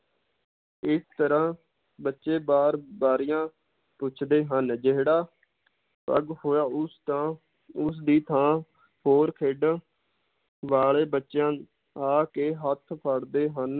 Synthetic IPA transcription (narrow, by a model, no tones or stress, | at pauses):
ɪst̪əɾãː | bətːʃeːbaːɾbaːɾijãː | pʊt͡ʃʰd̪eːɦənd͡ʒeɦɽaː | pə̰ɡhoːjaːʊsãː | ʊs̬d̪iːt̪ʰãː | hoːɾkʰeːɖə | ʋaːleːbətːʃjãː | aːkeːɦət̪ʰpʰəɽd̪eːɦən